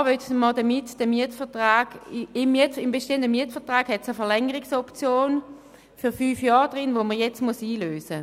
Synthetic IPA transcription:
ʋœtmɑldɐmɪtd̥əmiətfɛɐtʁaːɡɪmiɐtɪmbeʃteəndəmiətfəɐtʁaːɡhɛtsəfɛɐʁlɛŋəʁɪksɔpt͡sjoːn | fyɐfyːfjɑːʁd̥ʁɪnʋoməjɛt͡smusiːløːsə

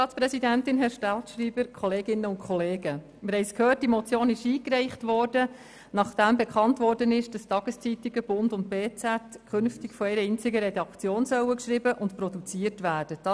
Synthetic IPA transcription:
ɑːtt͡spɾɛsidæntɪnɦɛʃtɑltʃriːbəɾkʰɔleːɡɪnːəʊntkʰχɔleːɡ̥ə | mɪɾhɛjskʰhøːrt̚d̥imɔt͡sjoːnɪʃiːkrɛɪχtʋɔːrd̥ə | nɑχd̥æmbɛkʰχɑntʋɔːɾdənɪʃd̥ɑstɑɡ̥əst͡sitiɡəb̥ʊndʊnt̚beːt͡sætkʰχʏnftikfɔɛɾəɪnt͡sɪɡəɾɛdɑkt͡sjoːnsœwəkʃɾibəʔʊntprɔdut͡siəɾtʋæːɾd̥əd̥ɑ

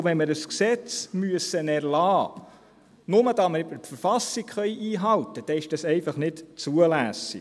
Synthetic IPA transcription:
ʋɛnmɪɾəsksɛt͡smyəsənæɾlɑː | nʊməd̥̪ɑməbəɾfəɾfɑsikχœʏʔiːɦɑwt̪əd̥ɛɪʃd̥ɑsɛɪfɑχnɪtt͡suəlæsi

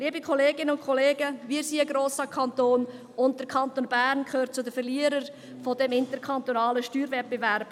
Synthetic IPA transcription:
liːəbikʰoleːɡɪnəʊnkʰɔleːɡəʋiːɾsiːəɡɾoːsɑkʰɑnt̪oːn | ʊnt̚d̥əɾkʰɑnt̪onbæːɾnkʰχøːɾ̚t͡sʊdəfɛrliːəɾəɾ | fodɛmɪntəɾkʰɑnt̪onɑːləʃtyːɾvɛt̚b̥evæɾb̥

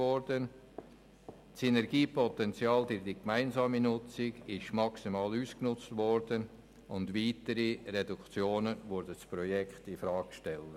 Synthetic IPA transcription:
ɔɾdən | sɛnɛɾɡiːpɔtɛnt͡sjaːld̥ʏɾdikmaɪnzɑːminʊt͡sɪɡɪʃmɑksimɑːluːsknʊt͡stvɔɾdən | ʊndʋiːtəɾirɛdukt͡sjoːnəvʊɾdət͡sprɔjɛkχtɪfɾɑːkʃtɛlə

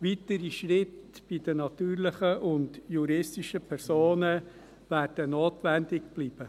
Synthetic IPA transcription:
ʋitəɾiʃrɪtb̥id̥ənɑt̪yːɾlɪχəʔʊndjuɾɪstiʃəpʰɛɾsoːnə | ʋæːrd̥ənoːtʋændɪk̚b̥liːb̥ə

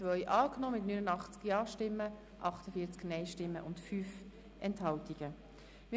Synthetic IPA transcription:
t͡sʋœʏʔɑːknoːmɪtnyːnənɑχt͡skjɑːʃtɪmːə | ʔɑχtəfiːt͡sknɛɪʃtɪmːəʔʊntfyːf | ʔɛnthɑltiɡ̥ə | mɪ

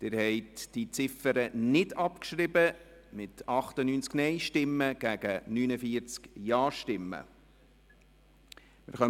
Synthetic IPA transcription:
d̪̥ɪɾhɛɪtd̥it͡sɪfəɾənɪdɑpkʃɾɪbə | mɪtʰɑχt̪ənyːnt͡sknɛɪʃtɪmːəɡ̥æɡ̥ənyːnəfiəɾt͡skjɑːʃtɪmːə̰ | mɪ̰ɾχœ

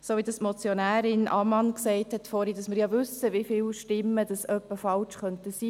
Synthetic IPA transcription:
soːʋidɑsmɔt͡sjonæːɾɪnʔɑ̰mɑnksɛɪthɛtfɔːɾhidɑsmɪɾjɑːvʉsəʋifɪːlʃtɪmːəd̥ɑsœpːəfɑlt͡ʃχœntəsiː

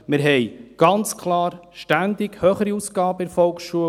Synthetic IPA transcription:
mɪɾɦɛjɡ̥ɑnt͡skʰlɑːɾʃtænd̪ɪɡhøːχəɾiusɡ̥ɑːbəɪɾfɔlksʃuə

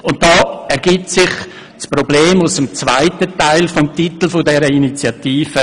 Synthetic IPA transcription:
ʊnt̚d̥ɔːɛɾɡ̥ip̚tsɪχ | sprobleːmʊsəmt͡svaɪtətaɪlfɔmtitl̩fʊdɛɾəinit͡sjɑtiːfə

